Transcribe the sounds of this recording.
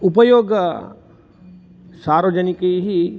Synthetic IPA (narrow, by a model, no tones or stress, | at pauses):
upəjoːɡ | saːɾod͡ʒənikəɦi